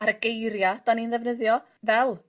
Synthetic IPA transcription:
aɾəɡejɾjad̥aninðɛvnəðjɔ | vɛlˠ

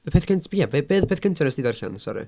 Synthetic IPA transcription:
pʰeːθkʰəntʰjɛbebeːðpʰeːθkʰəntʰənəsdidarça̰nsɔ̰ɾɨ̰

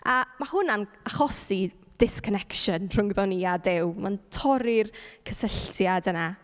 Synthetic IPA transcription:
amahʊnan | aχɔsi | d̥ɪskʰɔnɛkʃənr̥ʊŋɡvɛniadɪwmantʰɔɾɪrkʰəsəɬtʰjadəna

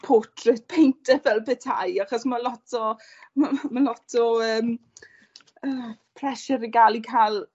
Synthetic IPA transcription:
pʰoːtʰrɪtpʰejntʰɛvɛlˠbɛtʰa̰jaχɔsmalˠɔtʰɔ | mamalɔtʰɔəːm | əːpʰr̥ɛʃɛɾiɡalˠikʰajlˠ

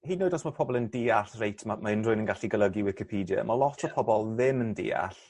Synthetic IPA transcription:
hiːdnoːdɔsmapʰɔbɔlˠəndiːaɬrejtʰmamaɪnrʊɨnənɡaɬiɡəlˠəɡiwɪkɪpʰiːdja̰malˠɔtʰɔpʰɔbɔlˠðɪməndḭːa̰ɬ

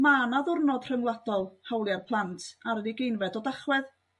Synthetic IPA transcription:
manaðʊrnɔd̥r̥əŋwlˠadɔlˠhawlˠjarpʰlˠantʰaɾədiɡejnvɛdɔdaχwɛð

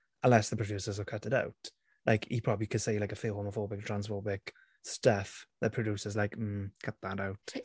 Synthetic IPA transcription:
ə̃nlɛsðəpʰɹ̥əd͡ʒjʉˑsəzəkʰətɪɾa̰ʊt | lʔaɪkhḭpʰɹ̥ɒbəblikʰəd̥seɪlaɪkəfɪlˠhoməfɔːbɪk̚tʰɹ̥ãnsfɔːbɪk | stəfðət̚pʰɹ̥əduːˑsəzlaɪkm̩kʰʌt̪̚ðataʊt

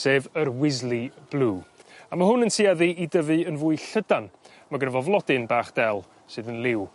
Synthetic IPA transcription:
seːvərwɪzlˠib̥lˠuːamaɦʊnənsʰiaðɨʔidəvɨənvʊːɨɬədan | maɡənəvɔvlˠɔdɨnbaːχd̥ɛlˠ | sɨːðənlˠɪw

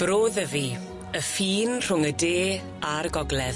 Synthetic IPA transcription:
b̥ɾoːðəvi | əfiːnr̥ʊŋədeː | arɡɔɡlɛð

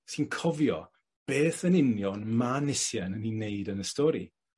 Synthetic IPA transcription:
sinkʰɔvjɔ̰ | b̥eːθənɪnjɔnmanɪsjɛnənineɨdənəstɔɾḭ

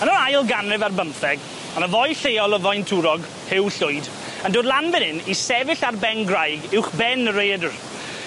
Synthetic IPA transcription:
ənɔɾajlˠɡanrɪvarbəmfɛɡ | anəvɔjɬejɔlˠəvɔjntʰuːɾɔɡ | hɪwɬʊjd | əndoːdlˠanvɪnɪnisɛvɪɬarbɛnɡrajɡɪwχbɛnəɾejdr

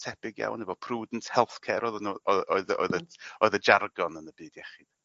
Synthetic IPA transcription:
tʰɛb̥ɪɡja̰wnɛvɔpʰruːdn̩tʰhɛlˠθkʰɛɾɔðənɔɔɨðɔ̰ɨðəɔɨðəd͡ʒarɡɔnənəbɨːdjɛχi

